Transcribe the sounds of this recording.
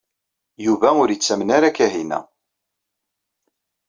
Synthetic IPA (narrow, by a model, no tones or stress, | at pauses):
juvæʊɾjət͡sːæmnaɾækæɦinæ̰